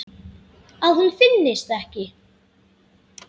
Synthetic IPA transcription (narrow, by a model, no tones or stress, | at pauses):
aðhunfɪnːɪst̪ɛhcɪ